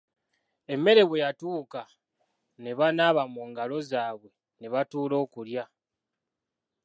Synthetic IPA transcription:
e̞mːe̞ɾe̞βwe̞jatuːka | ne̞βanaːβamuːŋɡalo̞zaːβwe̞ | neβatuːlo̞ːkulja

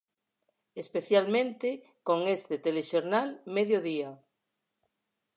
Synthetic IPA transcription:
espeθjalmẽnt̪e | koŋest̪et̪eleʃoɾnalmeðjoðia

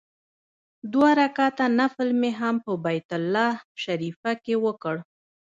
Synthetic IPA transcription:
d̪waɾakɑt̪anafɪlmeɦampəbajt̪ʊlːɑʃaɾifakewəkəɽ

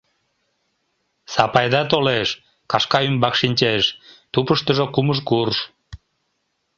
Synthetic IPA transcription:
sɑpɑjd̪ɑt̪̬oleʃ | kɑʃkɑymbɑkʃinʲt͡ɕeʃt̪upəʃt̪əʒokuməʃkurʃ

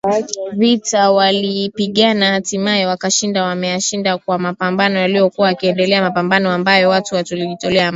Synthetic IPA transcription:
vitawalipiɠanahatimaɛwakaʃindawamɛjaʃindakwamapambanɔjalijɔkuwaːkiɛndɛlɛamapambanɔambajɔwatuwatuliʄitɔlɛam

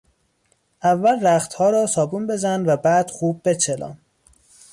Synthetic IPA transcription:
ʔævːælræxt̪hɒːɾɒːsɒːbuːnbe̞zænvæbæːd̪̥xuːb̚ːe̞t͡ʃʰelɒ̰ːm

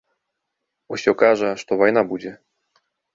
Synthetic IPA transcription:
ɔsʲɔkaʐɛʂt̪ɔvɔjnabud͡ʑʲɛ

